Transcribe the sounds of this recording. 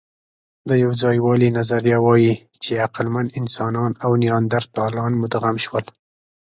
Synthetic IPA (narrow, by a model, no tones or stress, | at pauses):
d̪əjawd͡zɑjwɑlinazaɾjawɑjit͡ʃeaqlmanɪnsɑnɑnawnijɑnd̪aɾt̪ɑlɑnmʊd̪ɣamʃwəl